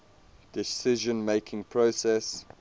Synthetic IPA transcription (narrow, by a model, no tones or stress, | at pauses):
d̥ɪsɪʒə̃nmeɪkʰɪ̃ŋpʰɹosɛs